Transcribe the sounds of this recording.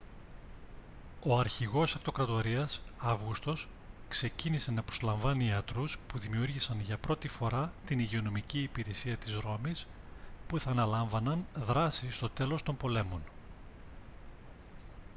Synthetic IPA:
o̞ɐɾçiɣo̞sɐft̪o̞kɾɐt̪o̞ɾiɐsɐvɣust̪o̞skse̞cinise̞nɐpɾo̞zlɐɱvɐniɐt̪ɾuspuðimiuɾʝisɐnʝɐpɾo̞t̪ifo̞ɾɐt̪iniʝeo̞no̞miciːpiɾe̞siɐt̪izɾo̞mis | puθɐːnɐlɐɱvɐnɐnðɾɐsist̪o̞t̪e̞lo̞st̪o̞mpo̞le̞mo̞n

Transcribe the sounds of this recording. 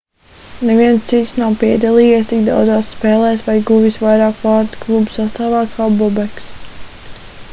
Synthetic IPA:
nɛviɛnst̪sit̪snawpiɛd̪alˠiːjɛɛs̬t̪iɡd̪a̰wd̪zaːsːpɛːlˠɛːsvajɡuvisvajɾaːkvaːɾt̪klˠubu̥sast̪aːvaːkʰaːbɔbɛks

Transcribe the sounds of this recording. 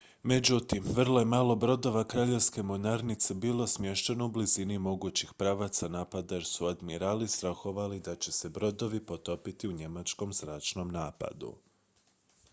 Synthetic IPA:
me̞d͡ʑut̪imʋərlˠoje̞maːlˠo̞bɾo̞d̪o̞ʋakɾaːʎe̞ʋske̞monaɾnit̪se̞biːlˠo̞smje̞ʃt̪enoublizinimo̞ɡut͡ɕixpɾaːʋat̪sanaːpad̪aeɾsuad̪miɾalist̪ɾaxo̞ʋalid̪at͡ɕe̞se̞bɾo̞d̪o̞ʋipo̞t̪o̞pit̪iuɲe̞mat͡ʃko̞mzɾaːt͡ʃno̞mnaːpa̰d̪ṵ

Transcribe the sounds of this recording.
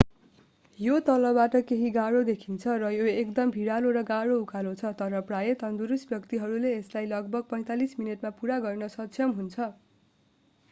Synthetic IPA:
jot̪ʌlʌbaʈʌkeɦiɡaɽod̪ekʰint͡sʰʌrʌjoekd̪ʌmbʱiɽaloɾʌɡaɽoukʰalõt͡sʰʌt̪ʌɾʌprajʌt̪ʌnd̪uɾusbjʌkt̪iɦʌɾuleːslajlʌɡ̚bʱʌɡ̚pʌj̃t̪alismineʈmapuɾaɡʌrnʌsʌtsʰjʌmɦunt͡sʰʌ

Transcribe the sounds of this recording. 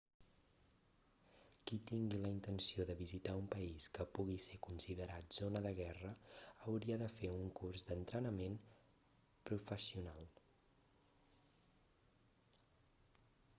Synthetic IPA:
kit̪iŋɡiləint̪ənsioðəβizit̪aumpəiskəpuɣisekunsiðəɾat̪z̥onəðəɣ̞ɛrəəwɾiəðəfeuŋkurzd̪ənt̪ɾənəmen | pɾufəsiunalˠ

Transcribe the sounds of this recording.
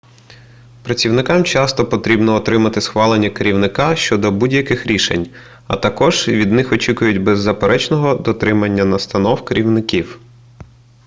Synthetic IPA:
pɾɐt͡sʲiwnɪkɑmt͡ʃɑst̪ɔpɔt̪ɾʲibnɔːt̪ɾɪmɐt̪ɪsxʋɑlˠenʲːɐkeɾʲiwnɪkɑʃt͡ʃɔd̪ɔbudʲjɐkɪxɾʲiʃḛnʲ | ɐ̰t̪ɐkɔʒ̥ʋʲid̪nɪxɔt͡ʃʲikʊjʊtʲbɛzːɐpeɾʔɛt͡ʃnɔɦɔd̪ɔt̪ɾɪmɐnʲːɐnɐst̪ɐnɔwkeɾʲiwnɪkʲiw

